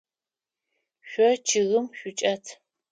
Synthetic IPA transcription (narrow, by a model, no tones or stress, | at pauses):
ɕʷɔt͡ʃʰɪɣɨmɕʷʊt͡ʃʼɐtʰ